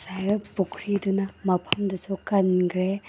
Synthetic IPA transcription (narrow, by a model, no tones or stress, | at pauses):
sajɐpukʰɾidunɐmɐpʰɐmdɐsukɐnkʰɾe